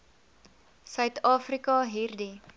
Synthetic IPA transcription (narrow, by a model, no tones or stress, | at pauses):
sœɥtɑːfrikɐɦirdi